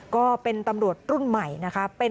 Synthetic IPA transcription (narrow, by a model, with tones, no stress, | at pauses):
kɔː˥˩pe˧nt̪a˧mɾu˨˩ət̪̚ɾu˥˩nma˨˩jna˦˥kʰa˦˥pe˧